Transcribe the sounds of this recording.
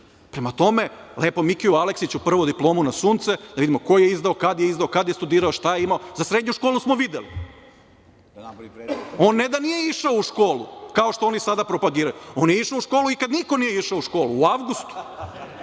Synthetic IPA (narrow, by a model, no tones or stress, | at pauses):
pɾemat̪o̞me̞leːpo̞mikiualeksit͡ɕupr̩ʋod̪iplˠo̞ːmunasuːnt̪sed̪aid̪imo̞ko̞jeizd̪aokad̪jeizd̪aokad̪jest̪ud̪iːɾaoʃt̪ajeimaozasɾed̪ɲuʃkoːlusmoʋid̪eli | o̞nːed̪anijeiʃaouʃko̞ːlṵkaoʃt̪oonisad̪apɾo̞paɡiːɾajuo̞ːnjeiʃaouʃkoluikad̪niko̞nijeiʃaouʃko̞ːluːaʋɡust̪u̥